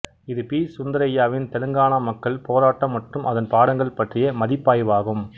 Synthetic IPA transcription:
ɪðɯpiːsʊnd̪ɐɾɐjːaːʋɪnt̪ɛlɯŋɡaːɳamɐkːɐɭpoːɾaːʈːɐmːɐʈrɯmʔɐðɐnpaːɽɐŋɡɐɭpːɐʈrɪjɐmɐðɪpːaːjʋaːɣɯm

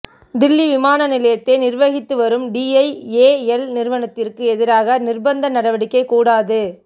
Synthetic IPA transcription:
d̪ɪlːiʋɪmaːnɐnɪlɐjɐt̪ːɛnɪrʋɐɣɪt̪ːɯʋɐɾɯmɖiːɐɪeːɛlnɪɾʋɐnɐt̪ːɪrkɯɛðɪɾaːɣɐnɪrbɐnd̪ɐnɐɽɐʋɐɽɪkːɐɪkuːɽaːðɯ

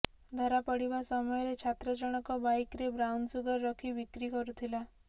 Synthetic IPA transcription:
d̪ʱɔɾapɔɽibasɔmɔjɔɾet͡ʃʰat̪ɾɔd͡ʒɔɽ̃ɔkɔbajkɾebɾawnsuɡɔɾːɔkʰibikɾikɔɾut̪ʰila

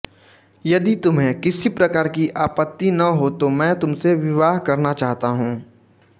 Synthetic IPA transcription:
jɐd̪it̪ʊmɦẽkɪsipɾɐkaːɾkiʔaːpət̪ːinɐɦot̪omɛ̃ːt̪ʊmseʋɪʋaːɦkɐɾnat͡ʃaːɦt̪aɦũː

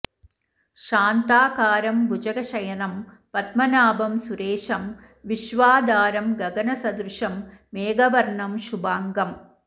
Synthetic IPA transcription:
ʃaːnt̪aːkaːɾɐmbud͡ʒɐɡɐʂɐjɐnɐm | pɐt̪mɐnaːbɐmsuɾeːʂɐm | ʋiʃʋaːd̪aːɾɐmɡɐɡɐnɐsɐd̪ɾuʂɐmːeːɡɐʋɐɾɳɐmʃubaːŋɡɐm

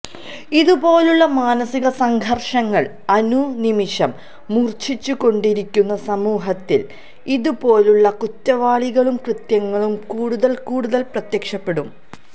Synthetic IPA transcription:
iðubo̞ːluɭːɐmaːnɐsiɣɐsɐŋɡʱɐrʂɐŋːɐɭ | ɐnunimiʂɐmː | urt͡ɕʰit͡ɕːuko̞ɳɖiɾikʲːunːɐsɐmuːɦɐt̪ːḭl | iðupo̞ːluɭːɐkutːɐʋaːɭiɣɐɭumkrɨt̪jɐŋːɐɭumkuːɽuðɐlkuːɽuðɐlprɐt̪jɐkʂɐpːe̞ɽum

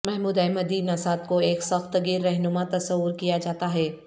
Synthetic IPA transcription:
mɛɦmuːd̪ɛːmɐd̪inasaːt̪̚koeːksɐxt̪ɡiːɾːɛɦnʊmat̪ɐsəwʊɾkijad͡ʒaːt̪aɦɛː

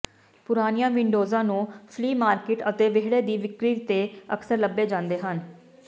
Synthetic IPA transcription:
pʊɾaːnijãːʋɪɳɖoːzãːnũːpʰliːmaːɾkɪʈət̪eːʋeɦɽeːd̪iːʋɪkɾiːt̪eːəksəɾləbːeːd͡ʒãːnd̪eːɦən

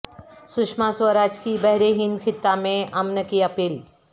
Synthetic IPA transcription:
sʊkʃmaswəɾaːd͡ʒkibɛɦɾeɦɪ̃nd̪kʰɪt̪ːamẽʔɐmnəkiɐpiːl

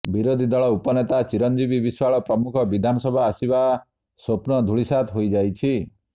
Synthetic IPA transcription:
biɾod̪ʱid̪ɔɭɔupɔnet̪at͡ʃiɾɔnd͡ʒibibiswaɭɔpɾɔmukʰɔbid̪ʱanɔsɔbʱaːsiba | sopnɔd̪ʱuɭisat̪ʰɦojd͡ʒajt͡ʃʰi

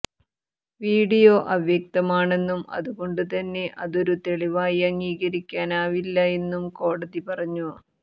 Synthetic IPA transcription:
ʋiːɽijo̞ːʔɐʋjɐk̚t̪ɐmaːɳe̞nːumɐ̰ðuɣo̞ɳɖɨt̪ɐnːe̞ʔɐðo̞ɾut̪e̞ɭiʋaːjɐŋɡiːɣɐɾikʲːaːnaːʋilːɐe̞nːumko̞ːɽɐðipɐrɐɲːu

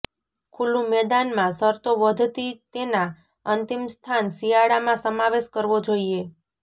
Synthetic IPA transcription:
kʰulũmɛd̪anmãsəɾt̪oʋəd̪ʱt̪it̪ena | ənt̪imst̪ʰansijaɽamãsəmaʋeʃkəɾʋod͡ʒoie

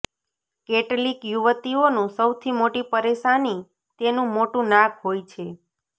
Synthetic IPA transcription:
keʈlikjuʋət̪ionũsəwt̪ʰimoʈipəɾeʃani | t̪enũmoʈũnakɦojt͡ʃʰe

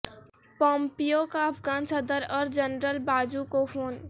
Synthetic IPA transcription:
pɔ̃ːmpijokaɐpʰɡaːnsəd̪əɾɔːɾd͡ʒənɾəlbaːd͡ʒukopʰoːn

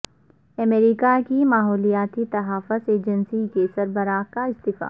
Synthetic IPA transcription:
ɐmeːɾikakimaːɦɔːlijaːt̪it̪ɐɦaːfʊseːd͡ʒənsikesɐɾbəɾaːkaɪst̪ɪfa̰ː

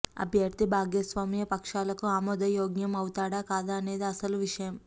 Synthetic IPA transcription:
ɐ̰bʱjɐɾt̪ibʱaːɡjɐsʋaːmijɐpɐkʂaːlɐkuaːmɔd̪ɐjoːɡjɐmɐwut̪aːɽaːkaːd̪aːɐne̞ːd̪iɐsɐluʋiʂɐjɐm

